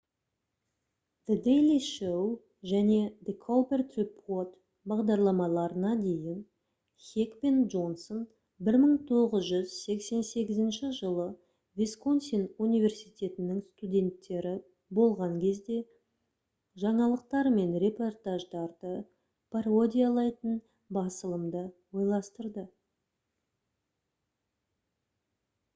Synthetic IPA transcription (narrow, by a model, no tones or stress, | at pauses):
d̪əd̪ejliʃow | ʒæne̞d̪ekʰolˠpert̪ripʰo̞t̪ | bɑʁd̪ɑɾlˠɑmɑlˠɑɾənɑd̪e̞jɪn | χʲekpe̞nʒo̞nson | bɪɾməɴt̪ʰo̞ʁəzʒʏzse̞kse̞nse̞ɡʲɪzɪnʃɪʒəlˠə | vʲeskonsinunijvʲe̞rsijt̪ʲe̞t̪ɪnɪŋst̪udʲe̞nt̪ːe̞ɾɪ | bo̞lˠʁɑŋkʲʰe̞zd̪e̞ | ʒɑɴɑlˠəq̚t̪ɑɾme̞nɾe̞po̞rt̪aʒd̪ɑɾd̪ə | pʰaro̞d̪ʲijalˠɑjt̪ən | bɑsəlˠəmd̪əwo̞jlˠɑst̪əɾd̪ə